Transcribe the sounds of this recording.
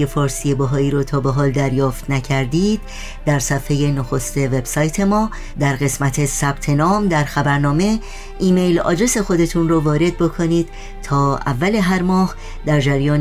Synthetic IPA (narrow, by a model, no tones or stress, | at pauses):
efɒːɾsije̞bɒɦɒːiːɾɔːt̪ʰɒːbe̞ɦɒːld̪æɾjɒːft̪ʰnæcʰæɾd̪iːd̪̥̚ | d̪æɾsæfhe̞je̞noxo̞st̪e̞ve̞bsɒːjt̪ʰe̞mɒː | d̪æɾɣe̞smæt̪ʰe̞sæb̥t̪ʰe̞nɒːmd̪æɾxæbæɾnɒːme̞ | iːme̞jlɒ̰ːd͡ʒɾe̞se̞xo̞d̪e̞t̪ʰunrɔːvɒːɾe̞d̪̚bo̞kʰoniːd̪̥ | t̪ʰɒːæ̰vːæle̞ɦæɾmɒːh | d̪æɾd͡ʒæɾjɒːn